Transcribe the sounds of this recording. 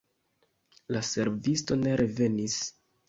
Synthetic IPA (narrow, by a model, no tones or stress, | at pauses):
lase̞ɾvisto̞ne̞ɾe̞ve̞nis